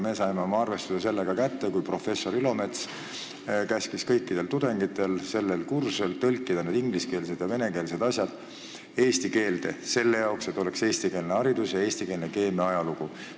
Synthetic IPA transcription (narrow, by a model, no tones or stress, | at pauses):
me̞ːsɑjmeo̞mɑɑrve̞st̪usese̞lːeɡ̥ɑkæt̪ːe̞kujpro̞fe̞sːo̞ɾylo̞me̞t̪s | kæskiskɤjkˑːid̪e̞lt̪ud̪̥e̞ŋɡ̥it̪ːˑe̞lse̞lːelkurselt̪ɤlʲkːid̪̥ɑneːd̪iŋɡliske̞ːlse̞d̪jɑve̞ne̞ke̞ːlse̞d̪̥ɑsʲjɑd̪̥ | e̞ːst̪ike̞ːld̪̥e̞̰se̞lːe̞jɑokset̪ːˑo̞lekse̞ːst̪ike̞ːlneɑɾid̪usjɑe̞ːsʲt̪ike̞ːlneke̞ːmeɑjɑluɡ̥u